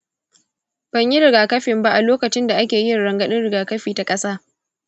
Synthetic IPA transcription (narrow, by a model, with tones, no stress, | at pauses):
b̥ɐ˨ɲji˦ɾɪ˨ɡaː˨kɐ˦ɸɪ˨mba˦ʔa˨loː˦kɐ˨t͡ʃɪ˦nda˨ʔa˦kʲeː˨jɪ˦˨ɽɐ˨ŋɡɐ˦˨ɗɪ˦nɽɪ˨ɡaː˨kɐ˦ɸiː˨ta˨kʼɐ˦saː˦